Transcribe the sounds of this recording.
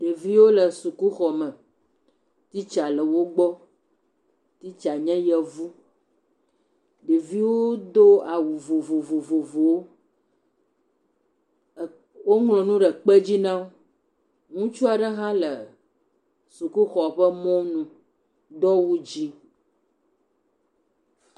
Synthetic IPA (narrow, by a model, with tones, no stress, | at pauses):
ɖe˨vi˦wo˦lə˨su˨ku˦xɔ˨mə̃˨ | t̪i˦t͡ʃa˨lə˨wo˦ɡ͡bɔ˦ | t̪i˦t͡ʃa˨ɲɛ̃˦jɛ˨vu˦ | ɖe˨vi˦wo˦d̪o˦a˨wu˨vo˨vo˨vo˨vo˨vo˨wo˦˨ | wo˦ŋlɔ̃˨nũ˦ɖɛ˨k͡pɛ˦d͡ʑi˦nã˦w | ŋũ˦t͡ʃu˦a˨ɖɛ˦ɦã˦lə˨ | su˨ku˦xɔ˨ɸə˦mɔ̃˦nũ˨ | d̪ɔ˦wu˦d͡ʑi˦